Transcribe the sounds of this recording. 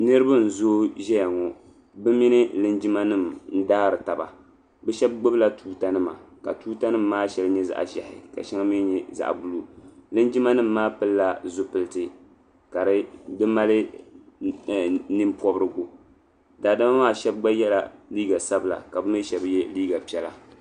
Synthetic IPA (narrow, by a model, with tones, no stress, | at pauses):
nɨ˦ɾɨ˦ba˦n̩˨zoː˦ʒɛ˦ja˨ŋɔ˨ | bɨ˦mi˦nɨ˦lɨ˦nd͡ʒi˦ma˦nɨ˦˨mn̩˦daː˦ɾɨ˨ta˨ba̰˨ | bɛ˦ʃɛ˦b̚ɡ͡bɨ˦bla˦tʰuː˦ta˦nɨ˦ma̰˨ka˨tuː˦ta˦nɨ˦mːaː˦ʃɛ˨lɨ˦ɲɛ˦za̰˦ʔʒa˨hɪ̰˨ka̰˨ʃi˦ŋa˦mi˦ɲɛ˦za̰˨ʔbu˦lu˨lɨ˦nd͡ʒi˦ma˦nɨ˦m̩ːaː˦pɨ˦lːa˦zʊ˦pɨ˨lɨ˦tɨ˨ | ka˨ɾɨ˦dɨ˦ma˦lɨ˦˨ | nɨ˦mpʰɔ˦bɨ˦ɾɨ˦ɡo˨ | daː˨da˦ma˦maː˦˨ʃɛ˦b̚ɡ͡ba˦jɛ˦la̰˨liː˦ɡa˨sa˦bɨ˨la̰˨ka˨bɨ˦mɨ˦ʃɛ˨bjɛ˦liː˦ɡa˨pi˨˦ɛ˦la˨